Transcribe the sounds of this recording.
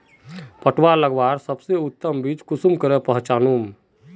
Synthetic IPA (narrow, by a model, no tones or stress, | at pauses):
pəʈʋaləɡbaɾsəbseʊt̪ːəmbit͡ʃkʊsumkəɾɛpəɦt͡ʃaːnum